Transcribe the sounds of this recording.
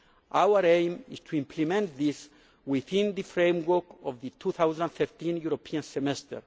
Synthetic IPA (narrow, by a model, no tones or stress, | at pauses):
ʔawəɾẽjmiz̥tʰuĩmpʰlimɛ̃nt̪ðis | wɪθĩnðɨfɹẽmwəkɔvðɨt̪ʰuθawzãnθɛɹt̪ʰĩnjuɾopʰiãnsɛmɛst̪ə̰ɹ